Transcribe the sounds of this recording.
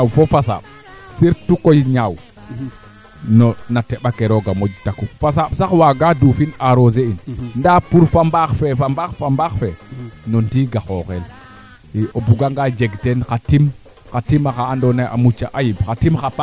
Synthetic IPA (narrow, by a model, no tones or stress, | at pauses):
awfɔfasa̰ɓ̚ | siɾtukojɲaw | nɔnatɛɓakɛɾɔɡamod͡ʒtakufasaɓsaxwaɡadufinaɾozeinndapuɾfambaxfɛfambaxfambaxfɛnɔndiːɡaxɔxɛl | obuɡaŋɡad͡ʒeɡtɛnkatim | katimaxaːndɔnaʔa̰mut͡ʃːa̰ʔajibxatimxapa